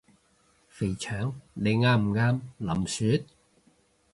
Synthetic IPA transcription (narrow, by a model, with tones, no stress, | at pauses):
fe˨˩jt͡ʃʰœː˨˥ŋle˨˧ŋaː˧˥m̩˨˩ŋaː˧˥mlɐ˨˩msyː˨˥t̪̚